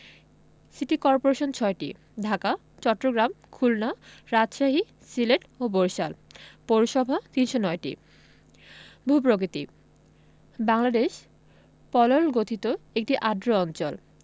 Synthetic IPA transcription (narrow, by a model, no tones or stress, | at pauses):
siʈikɔɾpoɾeʃont͡ɕʰɔeʈḭ | ɖʱaka | t͡ɕɔʈːɾoɡɾam | kʰulnaɾad͡ʑʃaɦi | sileʈoboɾʃalpoɾoʃɔbʱat̪inʃonɔeʈḭ | bʱupɾokit̪ḭ | baŋlad̪eʃ | pɔlolɡot̪ʰit̪oek̚ʈiʔaɖɾoɔnt͡ɕol